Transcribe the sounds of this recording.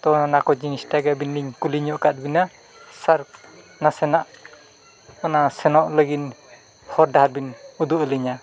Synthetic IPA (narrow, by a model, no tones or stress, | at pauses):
t̪ɔnanakɔd͡ʒinistaɡabinːiŋkuliɲɔʔkat̪̚bina | saɾ | nasɛnaʔ | ɔnasɛnɔʔləɡin | hɔɾdaɦat̚binud̪uəliɲa